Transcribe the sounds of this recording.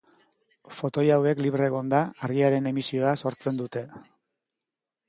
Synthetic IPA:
fo̞t̪o̞jawe̞kliβre̞ɣo̞nd̪aːrɣiaɾe̞ne̞misio̞aso̞ɾt͡se̞nd̪ut̪e̞

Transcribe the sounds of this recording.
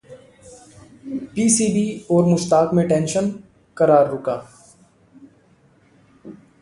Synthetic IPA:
piːsiːbiːɔːɾmʊʃt̪aːkmẽʈɛ̃ːnʃən | kəɾaːɾːʊkaː

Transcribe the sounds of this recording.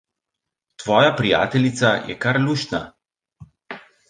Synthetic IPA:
t̪ʋɔːjapɾija̰ːt̪ɛlit̪sajɛ̰kaɾluʃna̰

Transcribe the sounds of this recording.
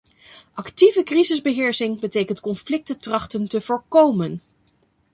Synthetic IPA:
ʔɑktivəkrizɪzbəɦɪːɹsɪŋbətejkəntkɔnflɪk̚tətrɑχtəntəv̥ʊːɹkowmən

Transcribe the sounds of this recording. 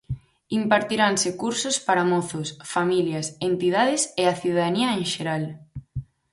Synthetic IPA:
impaɾt̪iɾansɪkuɾsʊspaɾɐmɔθosfamiljɐsent̪ið̞aðɪseaθiðaðaniɐeŋʃeɾal

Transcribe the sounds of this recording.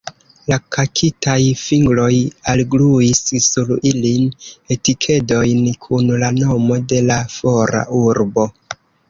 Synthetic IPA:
lakʰakʰitajfiŋɡlo̞jalɡluissuɾiline̞tikʰe̞do̞jnkʰunlano̞mo̞de̞lafo̞ɾa̰ʔuɾbo̞

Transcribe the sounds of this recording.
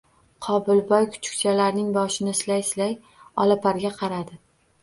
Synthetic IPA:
qʰɒbɪlbɒjkʰʊ̥t͡ʃʰʊ̥kʲt͡ʃʰalaɾnɪŋbɒʃɪnɪslajslaj | ɒlapʰaɾɡʲaqʰɑɾad̪ɪ

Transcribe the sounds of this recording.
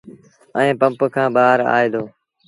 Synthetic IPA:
ə̃ẽːpəmpkʰãːɓaːɾa̰ːeːd̪oː

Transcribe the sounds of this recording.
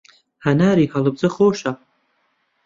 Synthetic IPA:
hɐnaːɾiːhɐlɨb̚zɨχoːʃɐ

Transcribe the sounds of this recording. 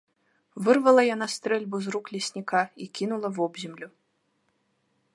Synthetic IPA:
vɨrvɐlˠɐjanast̪ɾɛlʲbuzruklʲɛsʲnʲikaikʲinulˠɐvɔbzʲɛmlʲu

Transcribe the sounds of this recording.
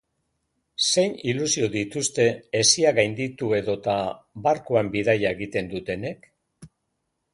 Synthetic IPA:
se̞jnilusio̞ðit̪ust̪e̞ːsiaɣajnd̪it̪ue̞ðo̞t̪aβaɾkuambiðajae̞ɣit̪e̞nd̪ut̪e̞ne̞k

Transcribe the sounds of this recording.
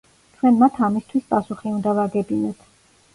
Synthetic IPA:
t̪ʰkʰwɛnmat̪ʰamist̪ʰwispʼasuχiund̪avaɡɛbinɛt̪ʰ

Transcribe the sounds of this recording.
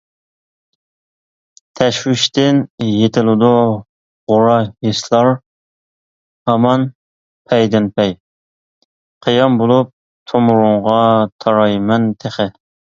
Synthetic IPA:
t̪ʰɛʃwɪʃt̪ɪnjet̪ʰɪlɪd̪u | ʁʊɾɑjeslˠɑɾ | hɑmɑn | pʰɛjd̪ɪnpʰɛj | qʰijɑmbolˠup̚ | t̪ʰomuɾʊɴʁɑt̪ʰɑɾɑjmɛnt̪ʰeχɪ

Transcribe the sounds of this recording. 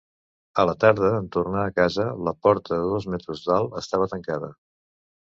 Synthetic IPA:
ələt̪aɾð̞əːnt̪urnaəkazələpɔɾt̪ʰəðəðozmɛt̪ɾuzd̪alˠəst̪aβ̞ət̪əŋkaðə

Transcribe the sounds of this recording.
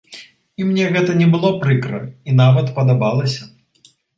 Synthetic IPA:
imnʲɛɣɛt̪ɐnʲɛbɨlˠɔpɾɨkɾɐ̰inavɐt̪pɐd̪abalˠɐsʲɐ

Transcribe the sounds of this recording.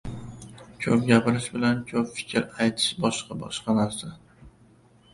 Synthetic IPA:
kʲʰɵp̚ɡʲapɪɾɪʃbɪlankʲʰɵpfɪ̥kʲʰɾajt̪ʰɪ̥ʃbɒʃqɑbɒ̰ʃqɑnaɾsa

